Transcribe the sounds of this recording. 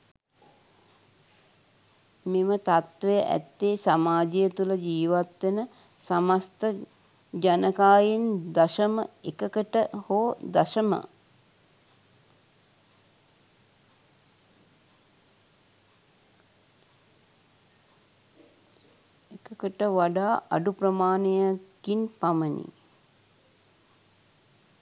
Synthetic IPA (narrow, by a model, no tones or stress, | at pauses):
memət̪at̪ʋəjəʔæ̰t̪ːesamaːd͡ʒijət̪uləd͡ʒiːʋat̪ʋenə | samast̪ə | d͡ʒanəkaːjend̪aʃəməekəkəʈəhod̪aʃəmə̰ | ekəkəʈəʋaɖaːʔɐ̰ɖuprəmaːnejakinpamənḭ